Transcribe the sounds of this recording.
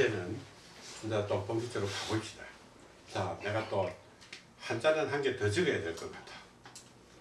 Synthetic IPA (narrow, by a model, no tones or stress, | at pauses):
enɯn | ind͡ʑat͈opʌŋd͡ʑʰit͡ɕ͈eɾokaɡoip̚ɕ͈i̥d̥ajo | t͡ɕane̞ɡat͈o | hand͡ʑanɯnɦanɡe̞tʌd͡ʑɯɡʌjade̞ɭk͈ʌmid̥ḁ